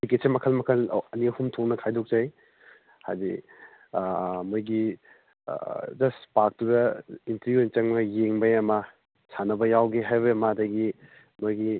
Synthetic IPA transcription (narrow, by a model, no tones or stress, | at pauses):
bikesemɐkʰɐlmɐkʰɐlɐniɐhumtʰoknɐkʰajdok̚zaj | ha̰zḭ | mojɡi | d͡ʒɐspak̚tudɐintɐɾjuent͡ʃɐŋmɐjeŋbɐjɐmɐ | sanɐbɐjawɡeɦajbɐɐmadɐɡi | mojɡi